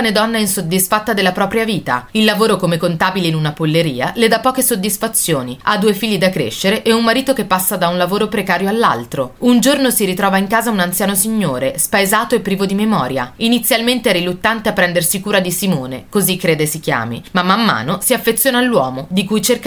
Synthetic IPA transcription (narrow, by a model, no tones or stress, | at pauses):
ned̪ɔnːainsod̪ːisfat̪ːad̪elːapɾɔːpɾjaviːt̪a̰ilːavoːɾokomekːont̪aːbileinunapolːeɾiːa̰led̪apːɔːkesod̪ːisfat̪sːjoːnia̰d̪uːefiʎːid̪akɾḛʃːeɾeʔɛummːaɾiːt̪okepːasːad̪aunlavoːɾopɾekaːɾjoalːa̰lt̪ɾound͡ʒornosiɾit̪ɾɔːvaiŋkaːzaunant̪sjaːnosiɲːoːɾespaezaːt̪oepːɾiːvod̪imemɔːɾjainit̪sːjalment̪eɛrilut̪ːant̪eapːɾɛnd̪ersikuːɾad̪isimoːnekozikːɾeːd̪esikja̰ːmḭmamːamːa̰ːnosiafːet̪sːjoːnaːlːwɔːmod̪ikujt͡ʃerk